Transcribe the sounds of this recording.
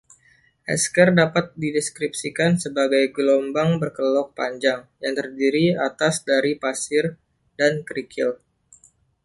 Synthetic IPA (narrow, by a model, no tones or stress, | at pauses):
ʔɛ̰skərdapat̪̚didɛskɾipsikansəbaɡajɡlɔmbaŋbərkəlɔk̚pa̰ɲd͡ʒaŋjaŋt̪ərdiɾia̰t̪asdaɾipasɪr | dankɾikʰɪ̰l